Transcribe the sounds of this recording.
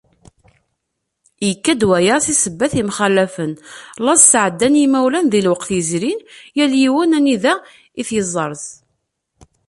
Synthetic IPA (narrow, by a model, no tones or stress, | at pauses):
jəkːæd̪wæjəɾθisəbːæθimχælːæfənlɑzsʕəd̪ːænjimæwlænðilwɑqθjəzɾinjæljiwənæniðæ | iθjəzˤəɾˤθ